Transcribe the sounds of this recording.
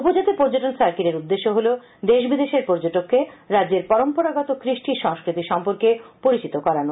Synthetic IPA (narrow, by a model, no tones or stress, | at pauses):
upod͡ʑat̪epoɾd͡ʑoʈonsaɾkiɾeɾud̪ːeʃːoɦolo | d̪eʃbid̪eʃeɾpɔɾd͡ʑoʈokʰːeɾadːeɾpɔɾompoɾaɡɔt̪okɾiʃʈiʃɔŋskɾit̪iʃɔmpoɾkepoɾit͡ɕit̪okɔɾano